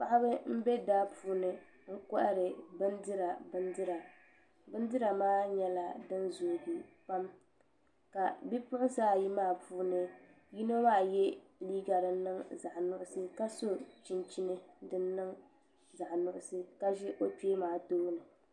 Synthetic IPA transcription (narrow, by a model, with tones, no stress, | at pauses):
pa˦ʔa˦bɨ˦m̩˦bɛ˦daː˦puː˦nɨ˦ | ŋ̩˦kɔ˦ʔa˦ɾɨ˨bɨ˦ndɨ˦ɾa˨bɨ˦ndɨ˦ɾa˨ | bɨ˦ndɨ˦ɾa˨maː˦ɲɛ˦la˨dɨ˦nzuː˨bi˨pa˦m | ka˨bi˦pʊ˦ʔʊ˦saː˦˨ji˦maː˦˨pʰuː˦nɨ˦ | ji˦no˦maː˦˨jɛ˦liː˦ɡa˨ɾɨ˨˦nɨ˦ŋza˨ʔnʊ˦ʔʊ˦sɨ˦ka˦so˦t͡ʃi˨nt͡ʃi˦nɨ˦dɨ˦nːɨ˦ŋ | za˨ʔnʊ˨ʔʊ˦˨sɨ˦ka˦ʒɪ˦ʔo˦peː˦maː˨toː˦nɨ˨